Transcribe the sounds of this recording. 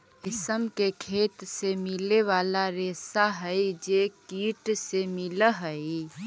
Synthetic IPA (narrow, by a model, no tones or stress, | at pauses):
ɪsəmkekʰeːt̪semɪleʋaːlaɾeːsaɦəid͡ʒeːkiːʈsemɪləɦəi